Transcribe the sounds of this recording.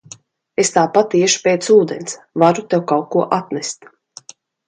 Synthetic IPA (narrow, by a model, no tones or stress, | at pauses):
est̪aːpat̪ːiɛʃu̥peːt̪suːd̪ens | vaɾut̪ewkawkuɔʔat̪nɛst̪